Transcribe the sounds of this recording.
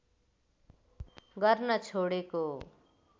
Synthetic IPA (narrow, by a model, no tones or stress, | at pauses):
ɡʌrnʌt͡sʰoɽeko